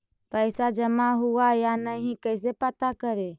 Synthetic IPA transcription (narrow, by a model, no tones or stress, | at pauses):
pəɪsad͡ʒəmaɦuajanəɦĩkəɪs̬epət̪akəɾe